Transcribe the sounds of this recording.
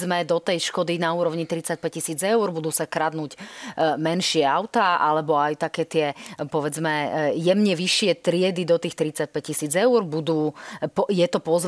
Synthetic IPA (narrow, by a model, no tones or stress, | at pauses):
mɛd̪ɔt̪ɛjʃkɔd̪inauːɾɔʊɲit̪ɾit͡sac̚pɛccːisiːd͡zɛʊɾbud̪uːsakɾad̪nuːcmɛnʃɪɛaʊt̪aːʔalɛbɔajt̪akɛːt̪ɪɛpɔʋɛd͡zmɛjɛmɲɛʋiʃːɪɛt̪ɾɪɛd̪id̪ɔt̪iːxt̪ɾit͡sac̚pɛccisiːd͡zɛuɾbud̪uːpɔjɛt̪ɔpɔzʋ